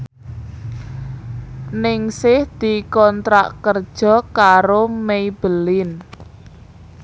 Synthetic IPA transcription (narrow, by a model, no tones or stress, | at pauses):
nɪŋsɪhd̪̥i̤kɔnt̪ɾa̰ʔkərd̥ʒ̥ɔ̤kaɾomeib̥əlɪn